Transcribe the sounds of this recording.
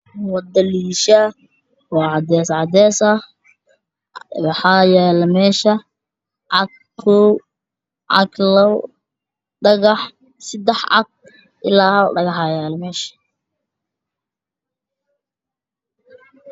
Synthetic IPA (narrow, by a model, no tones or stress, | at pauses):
wɑd̪ɐliːʃɐ | wɑːʕɑd̪ɛːsʕɑd̪ɛːsɐ | wɑħɑjɛːlɐmɛːʃɐ | ʕɑɡ | kʰɔw | ʕɑ̰ɡlɐw | ɖɐɣɑħ | sɪd̪ɛħʕɑ̰ɡ̚ | ʔɪlaːhɐ̰ɖɐɣɑħɑjɛːlɐmɛːʃɐ̥